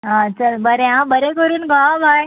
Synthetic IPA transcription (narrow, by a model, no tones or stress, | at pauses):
ɦãt͡ɕəlbəɾeɦãbəɾekəɾuːnɡaabʱaj